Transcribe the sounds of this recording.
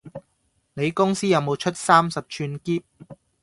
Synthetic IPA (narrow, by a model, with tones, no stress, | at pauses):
ne˨˧jkʊ˥ŋsiː˥jɐ˨˧wmo˨˧wt͡ʃʰɵ˥t̚saː˥msɐ˨p̚t͡ʃʰyː˧nkiː˥p̚